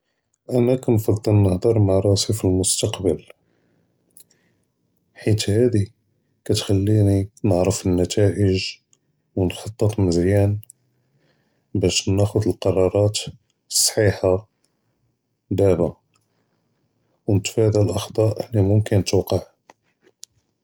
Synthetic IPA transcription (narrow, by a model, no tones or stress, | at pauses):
ʔænækænfɑd̪ˤːəlnəhd̪ˤɑɾˤmaʕɾˤɑsifilmʊst̪ɑqbəl | ħit̪hæd̪i | kæt̪xælːininəʕɾəfənːæt̪æʔəʒ | wnħɑt̪ˤːɑt̪məzjæn | bæʃnæxʊd̪əlqɑɾˤɑɾˤɑt̪ | sˤːħiħa | b̪æba | wnət̪fæd̪ælʔɑxd̪ˤɑʔlimʊmkənt̪wqəʕ